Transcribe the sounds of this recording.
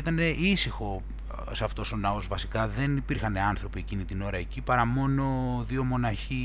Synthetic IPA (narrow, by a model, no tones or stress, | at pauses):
it̪ɐne̞ʔisixo̞ | sɐft̪o̞so̞nɐo̞zvɐsikɐðe̞nipiɾxɐneɐnθɾo̞pie̞cinit̪ino̞ɾɐe̞cipɐɾɐmo̞no̞ðio̞mo̞nɐçi